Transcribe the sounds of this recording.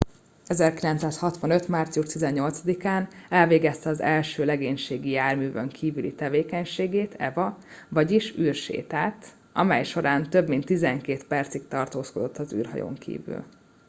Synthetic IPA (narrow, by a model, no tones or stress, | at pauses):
ɛzɛrkilɛnt̪saːshɒt̪ʋɒnø̞t̪maːrt̪sijuʃt̪izɛɲːo̞lt̪sɒd̪ikaːnɛlveːɡɛst̪ɛɒzɛlʃøːlɛɡeːɲʃeːɡijaːrmyːvøŋkʰiːvylḭt̪ɛveːkɛɲʃeːɡeːt̪ʰɛvɒvɒɟiʃyːrʃḛːt̪aːt̪ | ɒ̰mɛjʃo̞ɾaːnt̪øbmint̪ːizɛŋkeːt̪pɛrt̪sik̚t̪ɒrt̪oːsko̞d̪o̞t̪ːɒzy̰ːrɦɒ̰jo̰ːŋkʰḭːvy̰l